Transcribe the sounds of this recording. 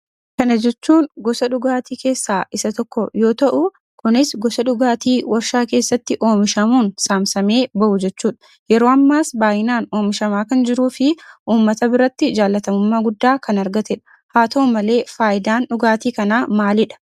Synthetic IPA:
kɐnɐd͡ʒɛt͡ʃːuːnɡɔsɐᶑʊɡaːt̪iːke̞ːsːaːʔɪsɐt̪ɔkːɔjo̞ːt̪ɐʔʊ | kʊnɪsɡɔsɐᶑʊɡaːt̪iːwɐɾʃaːke̞ːsːɐt̪ːɪʔo̞ːmɪʃɐmuːnsaːmsɐme̞ːbɐʔʊd͡ʒɛt͡ʃːuːᶑɐ̥ | jɛɾoːɐmːaːsbaːjɪnaːno̞ːmɪʃɐmaːkɐnd͡ʒɪɾuːfɪʔuːmːɐt̪ɐbɪɾɐt̪ːɪd͡ʒaːlːɐt̪ɐmʊmːaːɡʊd̪ːaːkɐnɐɾɡɐt̪ɛᶑɐ̥ | haːt̪ɐoːmɐle̞ːfaːʔɪd̪aːnᶑʊɡaːt̪iːkɐnaːmaːlɪᶑɐ̥

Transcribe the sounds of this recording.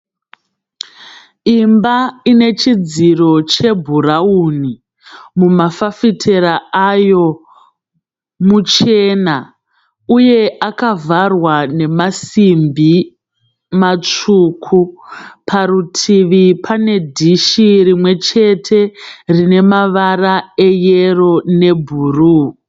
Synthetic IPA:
imbaine̞t͡ʃid͡ziro̞t͡ʃe̞bʱuɾauni | mumafafitʰe̞ɾaajo̞ | mut͡ʃeːna | uje̞ʔakavarwane̞masimbʱi | mat͡ʂuːkʰupʰaɾutʰiʋipʰane̞dʱiʃirimwe̞t͡ʃe̞tʰe̞rine̞maʋarae̞jero̞ne̞bʱuːru

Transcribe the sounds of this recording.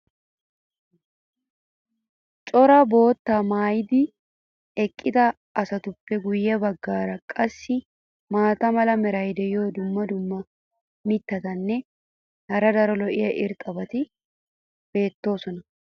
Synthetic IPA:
t͡ʃʼɔɾɐbo̞ːt̪ːamaːjɪd̪ɪ | ɛkʼːɪd̪ɐː | sɐt̪ʊpːɛɡʊjːɛbɐɡːaːɾɐkʼɐsːɪ | maːt̪ɐmɐlɐmɛɾɐjd̪ɛjoːd̪ʊmːɐd̪ʊmːɐ | mɪt̪ːɐt̪ɐnːɛ | hɐɾɐd̪ɐɾɔlɔʔɪjɐʔɪɾt̪ʼɐbɐt̪ɪ | b̥e̞ːt̪ːo̞ːsɔnɐ

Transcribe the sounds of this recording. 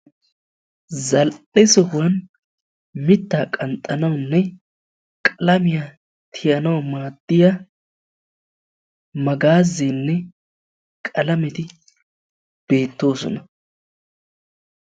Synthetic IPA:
zɐlʔɛsɔhʊwɐn | mɪt̪ːaːkʼɐnt̪ʼːɐnɐwʊnːɛ | kʼɐlɐmɪja | t̪ʰɪjɐnɐwɐmaːd̪̥ːɪja | mɐɡaːzːenːɛ | kʼɐlɐmɛt̪ɪ | b̥e̞ːt̪ːo̞ːsɔ̰nɐ

